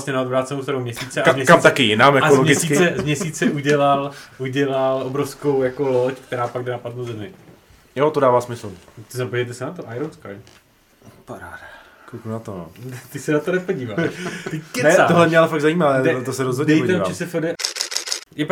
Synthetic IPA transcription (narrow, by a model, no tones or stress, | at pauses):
sɲɛnaodbɾaːt̪t͡sɛnowst̪aɾomɲɛsiːt͡sɛaazmɲɛkmt̪akɪjɪnaːmjaolomɲɡɪst͡sikɪt͡sɛzmɲɛst͡siːt͡sɛʔuɟɛlalʔuɟɛlalʔobɾofsko̞wjako̞lockt̪ɛɾaːpaɡdɛnapat̪nozɛmɪ | jot̪odaːvaːsmɪsl̩t̪ɪapod͡ʒɛt̪ɛsɛnat̪oʔajɾonska̰j | paɾaːda | klukunat̪ono̰t̪ɪsɛnat̪onɛpoɟiːvaʃt̪ɪkɛnɛat̪oɦlɛmɲɛalɛfaɡzajiːmaɛdɛt̪osɛɾozɦodɲdɛjpoɛovat͡ʃɛsɛfɛdɛ | jɛp